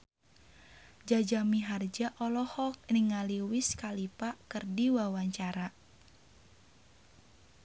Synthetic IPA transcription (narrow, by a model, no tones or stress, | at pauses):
d͡ʒad͡ʒamiɦard͡ʒaʔɔlɔhɔk̚niŋaliwiskalipakɨrdiwawaɲt͡ʃaɾa